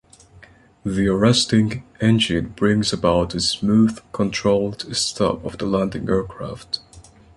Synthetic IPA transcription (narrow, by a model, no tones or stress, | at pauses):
ðiə˞ɛstɪ̃ŋɛ̃nd͡ʒɨ̃nbɹɪ̃ŋzəbaʊtɨsmuð̥kʰə̃ntʰɹ̥oʊlˠdstʰʌ̰pʌvðəlæ̃ndɪ̰̃ŋɛɹkʰɹ̥æ̰ft